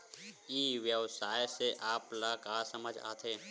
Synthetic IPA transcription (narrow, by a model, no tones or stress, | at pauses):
iːʋjəʋsaːjseʔaːplakasəməd͡ʒʱa̰ːt̪ʰeː